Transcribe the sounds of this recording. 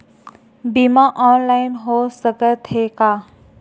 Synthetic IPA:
bimaʔɔnlainɦosəɡət̪heka

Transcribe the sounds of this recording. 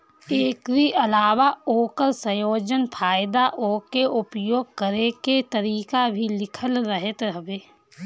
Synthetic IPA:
eːkɾiʔəlaːʋaoːkəɾsə̃joːd͡ʒənpʰaːɪd̪aʔoːkeʔʊpjoːɡ̚kəɾeket̪əɾiːkabʱilɪkʰəlɾəɦət̪ɾəbeː

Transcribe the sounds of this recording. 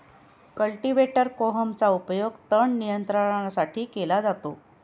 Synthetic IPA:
kəlʈiʋeʈəɾkoɦəmt͡saupjoɡt̪əɳnijənt̪ɾəɾasaʈiːkelad͡zat̪o

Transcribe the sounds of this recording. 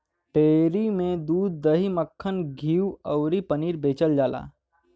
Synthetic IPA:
ʈeːɾimẽd̪uːd̪̚ːəɦiməkʰːənɡʱiːwəʊɾipəniːɾbeːt͡ʃəld͡ʒaːla̰ː

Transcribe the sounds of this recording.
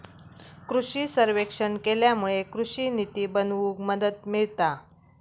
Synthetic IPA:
kɾuʂiːsəɾʋekʂəɳkeljamuɭekɾuɕiːnit̪iːbənʋuːkməd̪ət̪̚miɭt̪a

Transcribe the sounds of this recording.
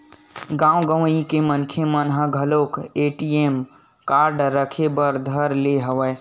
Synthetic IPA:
ɡãũɡəwikemənkʰemənɦəɡʱəlokeʈiem | kaɾɖɾəkʰebəɾd̪ʱəɾleɦəʋə

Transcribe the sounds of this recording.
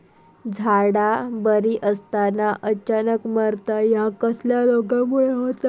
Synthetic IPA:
d͡zʱaɽabəɾiːʔəst̪anaʔət͡ɕanəkməɾt̪ajakəsljalokãmuɭəɦot̪a

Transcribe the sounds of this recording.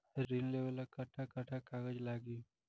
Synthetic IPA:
ɾinleːʋəlakaʈʰakaʈʰakaːɡəd͡ʒlaːɡi

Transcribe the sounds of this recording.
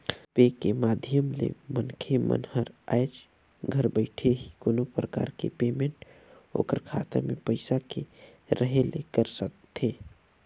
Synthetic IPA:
peːkemaːd̪ʱjəmlḛmənkʰemə̰nhəɾajt͡ʃ | ɡʱəɾbəɪʈʰeɦikonopɾəka̰ːɾkḛpeːmẽɳʈ | o̰ːkəɾkʰaːt̪ə̰mḛ̃pəɪsakeɾəɦelekəɾsək̚t̪ʰeː

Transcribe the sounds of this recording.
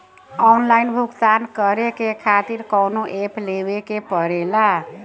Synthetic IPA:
ɔnlainbʱukt̪ankəɾekekʰat̪iɾkɔwnoʔepʰlebekepəɾela

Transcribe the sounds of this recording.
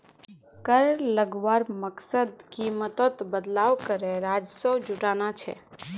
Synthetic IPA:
kəɾləɡʋaːɾməksəd̪kimət̪ot̪bəd̪laːʋkəɾeɾaːd͡ʒsod͡ʒʊʈanat͡ʃʰɛ̰

